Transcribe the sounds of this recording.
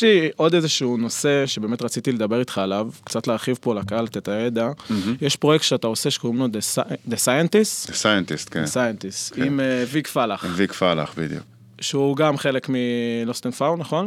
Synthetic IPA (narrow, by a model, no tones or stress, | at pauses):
jeliʔo̞d̪ezeʃuuno̞se̞ʃebeːme̞t̪ʁat͡sit̪iled̪abe̞ʁit̪χaːlavkt͡satleaʁχivpo̞lakaalt̪et̪ajed̪ajeʃpʁojektʃeat̪ao̞se̞ʃe̥koimlod̪esd̪esajent̪istdesajent̪ist̪kḛesajent̪ist̪imvikfalaχvikfala̰χbḭd̪jṵ | ʃeuɡamχe̞le̞kmilost̪enfawnaχo̞n